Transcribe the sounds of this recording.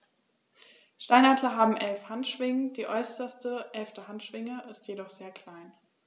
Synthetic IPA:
ʃtaɪnatlɐɦaːbm̩ʔɛlfhantʃv̥ɪŋəd̥iːʔɔʏsɐstəʔɛlftəɦantʃv̥ɪŋəʔɪstjedɔχz̥eːɐkl̥aɪn

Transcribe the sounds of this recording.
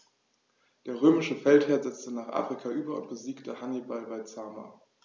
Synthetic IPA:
d̥eːɐʁ̞øːmɪʃəfɛltheːɐzɛt͡stənaːχʔa̰ːfʁ̥ikʰaʔyːbɐʊ̰nt̚b̥əziːktəhanibalvaɪt͡saːma̰

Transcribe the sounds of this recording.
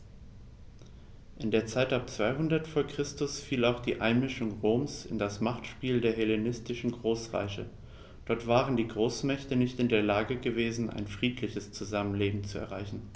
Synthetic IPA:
ʔɪndeːɐt͡saɪtap̚t͡sv̥aɪɦʊndɐtfoːɐkʁ̥ɪstʊsfiːlaʊxd̥iːʔaɪnmɪʃʊŋʁoːmsɪ̰ndasmaχtʃpiːldeːɐɦelenɪstɪʃn̩ɡʁoːsʁa̰ɪçə̰ | d̥ɔɐtv̥aːʁəndiːɡʁoːsmɛçtənɪçtɪndeːɐlaːɡəɡəveːzn̩ʔa̰ɪnfʁ̥iːtʰlɪçəst͡suzamənleːbm̩t͡suɛ̰ɐʁ̞aɪçn̩

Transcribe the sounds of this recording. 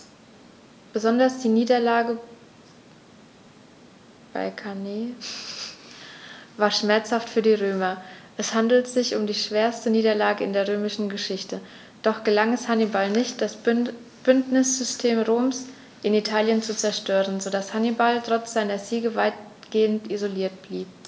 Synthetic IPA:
b̥əzɔndɐsd̥iːniːdɐlaːɡə | b̥a̰ɪkʰaneː | vaːɐʃmɛɐt͡shaftfyːɐdiːʁøːmɐʔɛshandl̩tz̥ɪçʊmdiːʃv̥eːɐstəniːdɐlaːɡəɪndeːɐʁøːmɪʃn̩ɡəʃɪçtə | d̥ɔχɡ̥əlaŋɛshanibalnɪçt̚d̥as | b̥ʏntnɪsz̥ʏstʰeːmʁoːms | ʔɪnitʰaːljənt͡sut͡sɛɐʃtøːʁənzodashanibaltʁ̥ɔt͡sz̥aɪnɐziːɡəvaɪt | ɡ̥eːəntizoliːɐt̚b̥liːp̚

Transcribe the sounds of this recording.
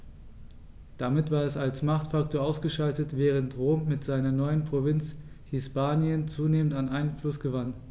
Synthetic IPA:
d̥amɪtv̥aːɐɛsalsmaχtfaktʰoːɐʔaʊsɡ̥əʃaltətv̥ɛːʁ̞əntʁoːmːɪtz̥aɪnɐnɔʏənpʁ̥ovɪnt͡s | hɪspaːnjənt͡suːneːməntanʔaɪnənflʊsɡ̥əvan

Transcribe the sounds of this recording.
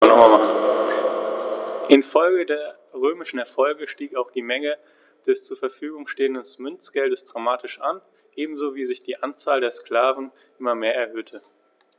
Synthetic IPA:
nɔχmamaχn̩ | ʔɪnfɔlɡədeːɐ | ʁøːmɪʃn̩ɛɐfɔlɡəʃtiːkaʊxd̥iːmɛŋə | d̥ɛst͡suːɐfɛɐfyːɡʊŋʃteːəndənsmʏnt͡sɡ̥ɛldəsd̥ʁamaːtɪʃʔan | ʔeːbm̩zoːviːzɪçd̥iːʔant͡saːldeːɐskl̥aːvn̩ | ʔɪmɐmeːɐɛɐɦøːtʰə

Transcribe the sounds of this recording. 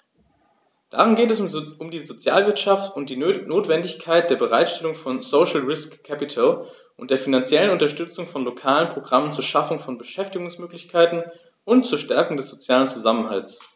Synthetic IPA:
d̥a̰ːʁ̞ʊmɡeːtɛsʊmdiːzot͡sja̰ːlvɪɐtʃaftʊnt̚d̥iːnoːtv̥ɛndɪçkʰaɪt̚d̥eːɐbəʁaɪtʃtɛlʊŋfɔnsoːʃl̩ʁɪskʰːɛpɪtʰal | ʔʊntd̥eːɐfinant͡sjɛlənʊntɐʃtʏt͡sʊŋfɔnlokʰaːlənpʁ̥oɡʁamənt͡suːɐʃafʊŋfɔnbəʃɛftɪɡʊŋsmøːklɪçkʰaɪtn̩ | ʔʊntt͡suːɐʃtɛɐkʊŋdɛsz̥ot͡sjaːlənt͡suzamənɦa̰lt͡s

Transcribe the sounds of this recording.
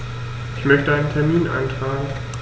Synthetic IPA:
ʔɪçmœçtəʔaɪnəntʰɛɐmiːnʔa̰ɪntʁ̥aːɡŋ̩

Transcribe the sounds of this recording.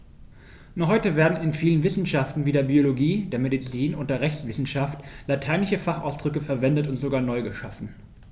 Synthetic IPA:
nɔχhɔʏtəveːɐdn̩ɪnfiːlənvɪsn̩ʃaftn̩viːdeːɐbioloɡiːdeːɐmedit͡siːnʊnt̚d̥eːɐʁɛçsv̥ɪsn̩ʃaftlatʰaɪnɪçəfaχa̰ʊsd̥ʁʏkəfɛɐvɛndətʊntz̥oɡaːɐnɔʏɡəʃafn̩

